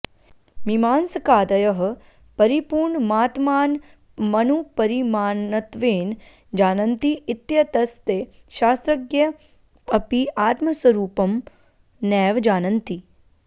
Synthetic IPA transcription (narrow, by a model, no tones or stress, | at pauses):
mimaːnsɐkaːd̪ɐjɐɦ̆ | pɐɾipuːɾɳmaːt̪maːn | mɐnupɐɾimaːnɐt̪ʋeːn | d͡ʒaːnɐnt̪iɪt̪jɐt̪ɐst̪eː | ʃaːst̪ɾɐɡjɐ | ɐpiʔaːt̪mɐswɐɾuːpɐm | nɛːʋd͡ʒaːnɐnt̪i